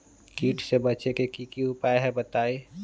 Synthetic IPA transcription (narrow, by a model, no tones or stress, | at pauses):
kiːʈʰsebət͡ʃekekikiupaeɦɛbət̪aːi